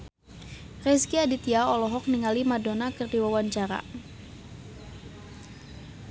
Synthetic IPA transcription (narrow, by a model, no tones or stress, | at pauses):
rɛskiadit̪iaɔlɔɦɔk̚niŋalimadonakɨrdiwawaɲt͡ʃaɾa̰